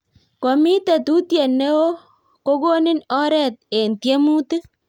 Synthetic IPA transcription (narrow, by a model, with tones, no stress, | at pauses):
ko˨mi˦tɛ˨tu˦tje˨nːe˦wo˦ | ko˦ɡo˦nɪ˦nɔ˦ɾɛ˨t̚e˨ntje˦mu˦ti˦